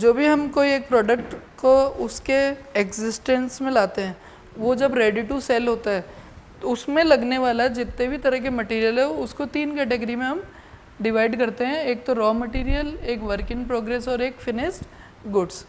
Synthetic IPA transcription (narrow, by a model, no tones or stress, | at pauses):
d͡ʒoːbʱiɦɐmkoieːk̚pɾɔːɖəkʈkoʊskeekzɪsʈɛ̃nsmẽlaːt̪eɦɛ̃ː | ʋod͡ʒɐbɾeːɖiʈusɛːlɦoːt̪aɦɛːt̪oʊsmẽlɐɡneʋaːlad͡ʒɪt̪ːebʱit̪ɐɾəɦk̬emɐʈiːɾijəlɦɛoʊskot̪iːnkɛːʈeɡəɾimẽɦɐm | ɖɪʋaːɪɖkɐɾt̪eɦɛ̃eːk̚t̪oɾɔːmɐʈiːɾijəleːkʋəɾkɪ̃ŋɡ̚pɾoːɡɾeːsɔːɾeːkfɪnɪsʈ | ɡʊɖs